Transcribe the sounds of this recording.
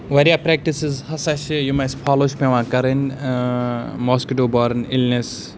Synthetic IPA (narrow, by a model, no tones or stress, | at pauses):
ʋɐɾjapɾɛːk̚ʈisizhɐsɐʃijumɐspʰaːloːʃpẽʋãːkɐɾɐn | mɔːskiʈoːbɔːɾnilnes